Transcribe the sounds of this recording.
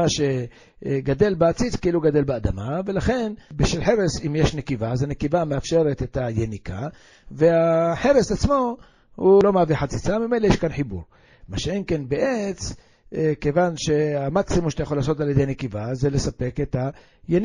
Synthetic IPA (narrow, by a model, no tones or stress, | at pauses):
aʃe̞ | ɡad̪e̞lbeat͡sit͡skeiluɡad̪e̞lbead̪amave̞laχe̞nbeʃilħe̞ɾesimjeʃnekivazenekivameafʃe̞ʁet̪et̪ajenika | veaħe̞ɾesat͡smo̞ | hulo̞maːviħat͡sit͡samime̞jlejeʃkanħibṵɾ | maʃeenke̞nbeʔet͡s | ke̞vanʃe̞amaksimumʃet̪ajaχolaːso̞t̪alje̞d̪ejanekivaze̞lesape̞ket̪a | jeni